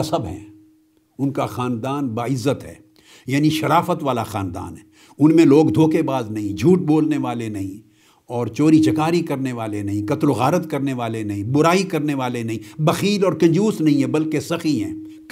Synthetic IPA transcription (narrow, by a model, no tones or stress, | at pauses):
ɐsɐbɦɛ̰̃ | ʊnkaxaːnd̪aːnbaːɪzːət̪ɦɛ̰ː | jaːniʃɐɾaːfət̪ʋaːlaxaːnd̪a̰ːnɦɛː | ʊnmẽloːɡd̪ʱoːkebaːznɐɦĩd͡ʒʱuːʈ̚boːlneʋaːlenɐɦĩ | ɔːɾt͡ʃoːɾit͡ʃɐkaːɾikɐɾneʋaːlenɐɦĩkɐt̪loɣaːɾət̪kɐɾneʋaːlenɐɦĩbʊɾaːikɐɾneʋaːlenɐɦĩbɐxiːlɔːɾkɐ̃nd͡ʒuːsnɐɦĩɦɛ̃bɐlkesɐxiɦɛ̰̃ː | k